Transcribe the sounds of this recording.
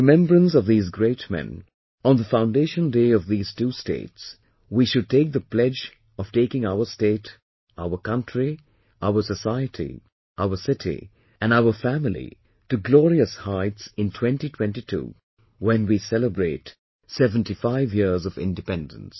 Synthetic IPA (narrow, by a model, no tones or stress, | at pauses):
ɨmɛ̃mbɹə̃nsʌvðiːzɡɹeɪtmɛ̰̃n | ə̃nðəfãʊ̃ndeɪʃə̃ndeɪʌvðiːz̥tustḛɪts | wiʃɨd̚teɪk̚ðəpʰlɛd͡ʒ | ʌv̥teɪkɪ̃ŋaʊə˞steɪt | aʊə˞kʌ̃ntɹ̥i | ʔaʊə˞səsaɪɨtʰḭ | ʔaʊə˞sɪɾʰḭ | ɨ̃naʊə˞fæmɪl̩ˠḭ | tɨɡlɔɹiəshaɪtsɪ̃ntʰw̥ɛ̃ntitʰw̥ɛ̃ntitʰṵ | wɛ̃nwisɛləbɹeɪt | sɛvə̃ntifaɪvjɪɹzʌvɪ̰̃ndɨpɛ̃ndə̰̃n̩s